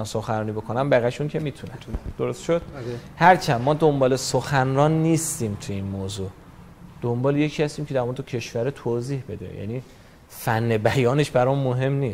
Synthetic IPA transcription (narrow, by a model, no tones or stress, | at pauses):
ænsoxænɾɒːnibo̞kʰonæmbæɣæʃuncʰe̞miːt̪ʰunæd̪̥oɾost̪ʃod̪̥hæɾt͡ʃʰæmmɒːd̪o̞mbɒːle̞soxænɾɒːnːiːst̪iːmt̪ʰujeiːnmoːzu | d̪̥ombɒːlejecʰiːhæst̪iːmcʰe̞d̪æɾmoɾed̪ecʰe̞ʃvæɾet̪ʰoːziːhbe̞d̪ḛjæ̰niː | fænːe̞bæjɒːne̞ʃbæɾɒmmːoɦe̞mniːs